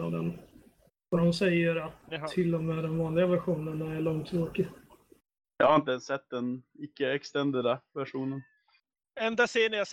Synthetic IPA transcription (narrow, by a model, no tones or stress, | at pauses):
ɑ̰d̪ɛn | vad̪ɔnsɛjːəɾat̪ʰːɪlːɔmeːd̪ɛnvɑːnlɪɡavæɧuːnənaæɭɔŋt̪ʰːɾoːkɪ | jɑ̰haɾɪnt̪əɛnsɛt̪̚ːd̪ɛnɪkːəɛkst̪ɛnd̪əd̪avæʂuːnən | ɛnd̪aseːnəja